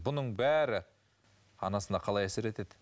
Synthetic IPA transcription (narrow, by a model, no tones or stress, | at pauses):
bʊnəɴbæɾɪ | ɑnɑsənd̪ɑqʰɑlˠɑjæsɪɾe̞t̪ed̪ɪ